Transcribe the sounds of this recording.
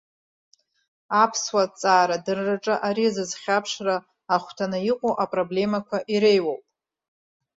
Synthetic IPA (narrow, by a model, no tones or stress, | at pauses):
apʰswat͡sʼaːɾadɨrːaʈ͡ʂʼɨʔaɾizɨzχʲapʰʂraː | χʷtʰanɨiqʷʼoʔapʼro̞ble̞makʷʰaʔiɾejwowpʼ